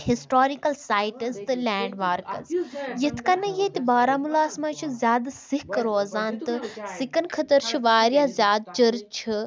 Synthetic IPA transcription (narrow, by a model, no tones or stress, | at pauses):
hisʈoːɾikɐlsaːjʈɐst̪ɨlʲɛːɳɖʋaːɾkɐ̰zjɐt̪ʰkaːnɐjeːt̪ʲibaːɾaːmulaːsmat͡ʃʰizʲjaːd̪sihkɾoːzaːnt̪ɨsikɐnkʰɐt̪əɾt͡ʃʰiʋaːɾjaːzʲjaːd̪̚t͡ʃɐɾt͡ʃʰi